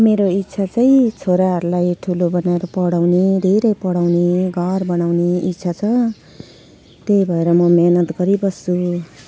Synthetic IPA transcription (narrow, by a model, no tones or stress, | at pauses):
meɾoit̪ːsʰat͡sʌĩt͡sʰoɾaɦʌɾulajʈʰulobʌnaeɾʌpʌɽawned̪ʱeɾʌjpʌɽawneɡʱʌrbʌnawneit̪sʰat͡sʰʌ | t̪ejbʱʌeɾʌmʌmenʌt̪ɡʌɾibʌst͡sʰu